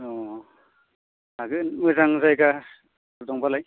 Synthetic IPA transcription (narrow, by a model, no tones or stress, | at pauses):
ɔ | aɡɯmujzaŋzajka | dɔŋpalaj